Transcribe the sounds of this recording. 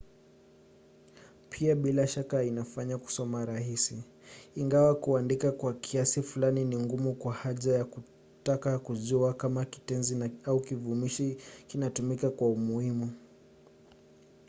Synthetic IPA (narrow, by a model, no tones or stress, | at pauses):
pʰiaɓilaʃakainafaɲaku̥sɔmaɾaɦisiː | ŋɡawakuandikakwakʰiasifulaniniŋɡumukwahaʄajaku | takakuʄuakamaki̥tɛnzinaaukivumiʃikinatumikakwaumuhimu